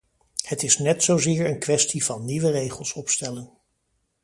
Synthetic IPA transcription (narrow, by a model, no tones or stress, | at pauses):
hətɪsnɛtsowzɪːɹənkʋɛstiv̥ɑnːiʋərejχəlˠsɔpstɛlən